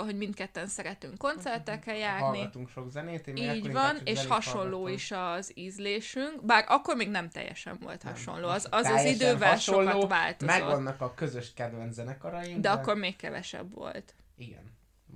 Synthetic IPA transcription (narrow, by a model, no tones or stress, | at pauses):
ɦo̞ɟmint̪̚kɛt̪ːɛnsɛɾɛt̪yŋkːo̞nt̪sɛrt̪ɛkːɛljaːrnit̪uŋkʃoɡzɛneːt̪eiːɟvɒneːʃhɒʃo̞nloːiʃɒzizleːʃyŋkbaːɾʔɒkːo̞rmeːɡnɛmt̪ɛ̰jːɛ̰ʃɛ̰ɱvo̞̰lt̪hɒ̰ʃo̞̰nloːɒzɒzɒzid̪øːvɛlʃolkoːʋa̰ːltt̪omzɛɡɒnːɒkɒkøzøʃkɛd̪ʋɛnzɛnɛkɒɾɒjiŋd̪ɛɒkːo̞rmeːkːɛ̰vɛ̰ʃɛ̰bʋo̰lt̪ | iɡɛ̰n